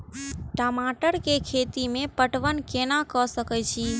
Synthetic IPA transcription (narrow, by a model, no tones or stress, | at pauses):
ʈəmaʈəɾkekʰet̪imẽpəʈʋənkenakəsəkəjt͡ʃʰi